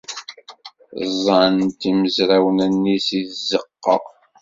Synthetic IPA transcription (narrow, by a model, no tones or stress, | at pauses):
zˤːɑnt̪iməzɾæwənænːisiθzːəqːə̰